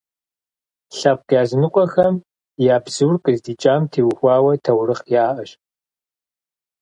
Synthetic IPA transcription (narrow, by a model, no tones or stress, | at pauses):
ɬɐp̚qjaːznɨkʷʼɔxɐm | jaːbz̥ɨwrkʼɨzdiːt͡ʃʼaːmtʰiːwxʷɑːwɐtʰɐwrɨχjaːʔɐʃ